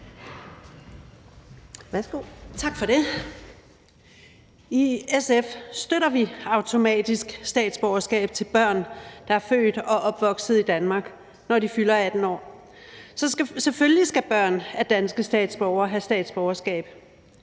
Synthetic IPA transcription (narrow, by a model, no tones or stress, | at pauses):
ʋæsɡ̥ot͡sʰɑ̈ɡ̥fɒ̽ɾe̝ | iesefsd̥øɾɐʋiɑ̈ʊt͡sʰo̝mɛ̰ːd̥isɡ̥sd̥ɛ̰ːd̥sb̥ɒʊɐsɡ̥ɛ̰ːb̥̚t͡sʰe̝lb̥ɶɐ̰nd̥ɑ̈æɐfø̰ːd̥ɒ̽ʔɒ̽b̥ʋɒ̽ɡ̥sð̩ˠid̥ænmɑ̈ːɡ̥ | nɒɾifylɐæd̥n̩ɒ̰ː | sɒ̽seføllisɡ̥æb̥ɶɐ̰næd̥ænsɡ̥əsd̥ɛ̰ːd̥sb̥ɒʊɐɦæsd̥ɛ̰ːd̥sb̥ɒʊɐsɡ̥ɛ̰ːb̥